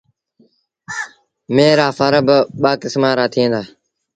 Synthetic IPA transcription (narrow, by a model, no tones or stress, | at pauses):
meːɾaːfəɾəbɓaːkɪsmaːɾaːt̪ʰiẽːnd̪aː